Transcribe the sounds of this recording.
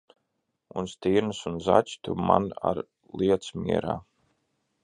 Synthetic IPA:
unst̪iːɾnɨsunza̰t͡ʃt̪umana̰ɾ | lˠiɛt̪smiɛɾaː

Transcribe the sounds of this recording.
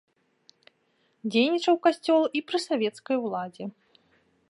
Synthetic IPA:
d͡zʲejnʲit͡ʂɐwkasʲt͡sʲɔlˠipɾɨsavʲɛt̪skɐjwlˠad͡zʲɛ

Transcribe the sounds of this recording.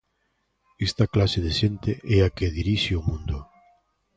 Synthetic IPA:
ɛst̪ɐklaseðeʃent̪eʔɛakeðiɾiʃeomũnd̪ʊ

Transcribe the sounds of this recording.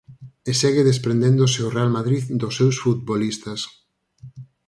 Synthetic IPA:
eseɣɪðespɾẽnd̪ẽnd̪ʊseorealmaðɾiðd̪osːewsfut̪̚bolist̪ɐs

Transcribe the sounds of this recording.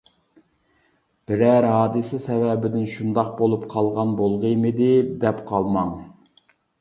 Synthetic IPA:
b̥ɪɾɛɾɦɑːd̪ɨsɪsɛvɛbɪd̪ɪnʃund̪ɑq̚bolˠupqʰɑlˠʁɑnbolˠʁəjmɨd̪ɪd̪ɛpqʰɑlˠmɑŋ

